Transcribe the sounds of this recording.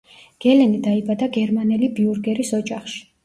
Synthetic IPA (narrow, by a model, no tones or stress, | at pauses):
ɡ̥ɛlɛnid̪aibad̪aɡɛɾmanɛlibiuɾɡɛɾisɔd͡ʒaχʃi̥